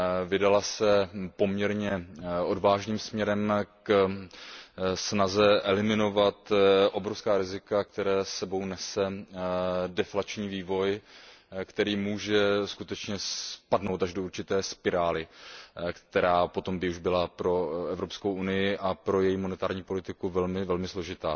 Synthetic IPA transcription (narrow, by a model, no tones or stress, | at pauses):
vɪdalasɛpo̞mɲɛɾɲɛʔo̞dvaːʒniːmsmɲɛɾɛmk | snazɛʔɛlɪmɪno̞vat̪ʔo̞bɾofskaːɾɪzɪkak̚t̪ɛɾɛːsːɛbo̞wnɛsɛ | dɛflat͡ʃɲiːviːvo̞j | kt̪ɛɾiːmuːʒɛskut̪ɛt͡ʃɲɛspadno̞wt̪aʒdo̞uɾt͡ʃɪt̪ɛːspɪɾaːlɪkt̪ɛɾaːpo̞t̪o̞mbɪuʒbɪlapɾo̞ɛvɾo̞pskowʔunɪjɪʔapɾo̞jɛjimonɛt̪aːɾɲiːpo̞lɪt̪ɪkuvɛlmɪvɛlmɪslo̞ʒɪt̪a̰ː